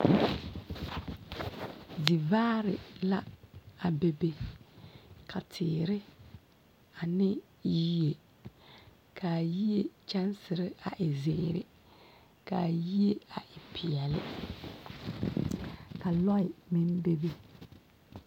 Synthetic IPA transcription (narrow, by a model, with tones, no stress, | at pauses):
di˨vaː˦ɾɪ̰˨la˦a˨be˨be˦ | kʰa˨tʰɪː˨ɾɪ˦ | a˨nɪ˦ | ji˦je˨ | kʰa˨ji˦je˦t͡ʃa˦n˦sɪ˨ɾɪ˦a˨ʔɪ˨zɪ˨˦ɾɪ̰˦ | ka˨ji˦e˦a˨ʔɪ˨pʰɪ˨ɛ˨lɪ̰˦ | ka˨lɔ˦ɪ˨mɪ˦n˦be˦be˦